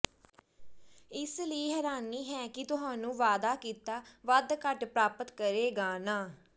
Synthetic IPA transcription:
ɪsləiːɦɛːɾaːniːɦɛːkɪt̪ʊɦãːnũːʋaːd̪aːkiːt̪aːʋəd̪kəʈpɾaːpət̪kəɾeːɡaːnaː

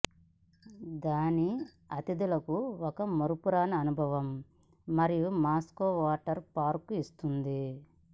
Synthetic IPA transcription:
d̪aːni | ɐt̪id̪ulɐkuɔkɐmoɾupuɾaːnɐːnubʱɐʋɐmː | ɐɾijumaːskoːʋaːʈɐɾpaːɾkuist̪und̪i

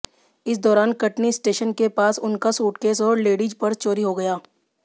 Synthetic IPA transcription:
ɪs̬d̪ɔːɾaːnkɐʈnisʈeːʃənkepaːsʊnkasuːʈkeːsɔːɾleːɖid͡ʒpɐɾt͡ʃoːɾiɦoɡɐjaː

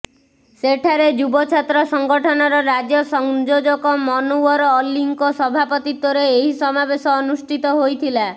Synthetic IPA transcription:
seʈʰaɾed͡ʒubɔt͡ʃʰat̪ɾɔsɔŋɡɔʈʰɔnɔɾɔɾad͡ʒɔsɔŋd͡ʒod͡ʒɔkɔmɔnuɔɾɔlːiŋkɔsɔbʱapɔt̪it̪ːoɾeeɦisɔmabesɔːnusʈʰit̪ɔɦojt̪ʰila

